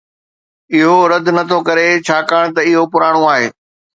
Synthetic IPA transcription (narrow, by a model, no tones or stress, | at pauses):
ɪɦoɾɐd̪ʱnɐt̪ʰokɐɾet͡ɕʰaːkaːɽ̃t̪ɐɪɦopʊɾaːɽ̃oaːɦḛː